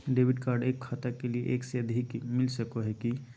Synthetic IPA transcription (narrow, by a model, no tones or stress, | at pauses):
ɖeːʋɪɖkaːɾɖeːkxat̪əkeliḛʔeːkseəd̪ʱikmɪlsəkoɦɛki